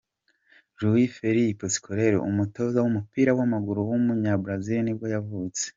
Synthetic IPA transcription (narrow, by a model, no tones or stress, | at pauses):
ʒuwifeɾiposi̥kʰoɾeɾo̰ʔumuto̞zawumupiːɾawamaɡuɾuwumuɲabɾaziɾinibo̞javut͡se̥